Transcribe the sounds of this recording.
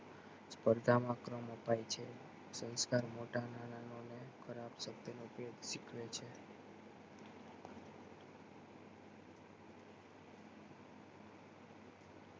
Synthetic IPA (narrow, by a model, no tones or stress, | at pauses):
spəɾd̪ʱamãkɾəməpajt͡ʃʰe | sə̃nskaɾmoʈananãnonekʰəɾabsək̚t̪ənoped̪ʃikʰʋet͡ʃʰe